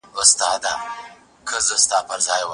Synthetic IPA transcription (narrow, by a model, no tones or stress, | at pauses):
əst̪ɑːd̪a | kʰəzəst̪ɑːpʰəɾzɑːjwa